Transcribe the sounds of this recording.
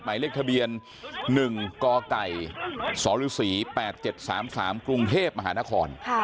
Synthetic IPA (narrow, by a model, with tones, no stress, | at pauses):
maː˨˦li˥˩k̚t̪ʰa˧bi˧ənː | ɯ˨˩ŋkɔː˧ka˨˩jsɔː˩˦lɯː˨˦˥siː˩˦pɛː˨˩t̪̚t͡ɕe˨˩t̪̚saː˩˦msaː˩˦mkɾu˧ŋt̪ʰeː˥˩p̚ma˧ɦaː˩˦naː˦˥kʰɔː˧nʰ˩